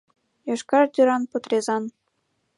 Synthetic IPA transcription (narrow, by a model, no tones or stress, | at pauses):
jɑʃkɑrd̪ʲyɾɑnpɤ̆t̪rʲezɑn